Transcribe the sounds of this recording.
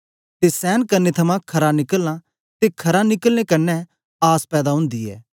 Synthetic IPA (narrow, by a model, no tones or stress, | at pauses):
t̪esɛːnkɐɾnet̪ʰɐmãkʰɐɾãnɪkəlːã | t̪ekʰɐɾanɪkəlnekɐnːɛ | aːspɛːd̪aɦʊ̃nd̪iɛ̰ː